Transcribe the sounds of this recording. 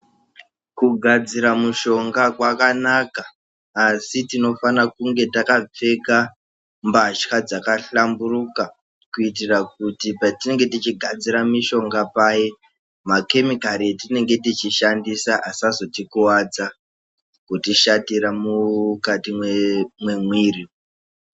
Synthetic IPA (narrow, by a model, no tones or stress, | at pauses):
kuɡʱad͡ziɾamuʃo̞ŋɡakwakanakaː | sitino̞fanakuŋɡe̞takap͡fe̞ka | mbat͡ʃxad͡zakaɬamburuka | kuit̬irak̚utipatine̞ŋɡe̞tit͡ʃiɡʱad͡ziɾamiʃo̞ŋɡapaje | make̞mikaɾietine̞ŋɡe̞tit͡ʃiʃandisaʔasazo̞tikuwad͡za | kutiʃatiɾamukatimwemwe̞mwiːri